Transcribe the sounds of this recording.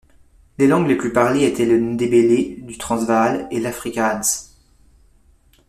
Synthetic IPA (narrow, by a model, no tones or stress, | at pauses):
lelɑ̃ɡleplypaʁleet̪ʰɛləd̪ebeled̪yt̪χɑ̃zvalelafχikaad̪s